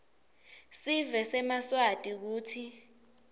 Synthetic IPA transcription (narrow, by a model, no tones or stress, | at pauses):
sivɛsɛmaswad̥ʱʼik̬uːtʰi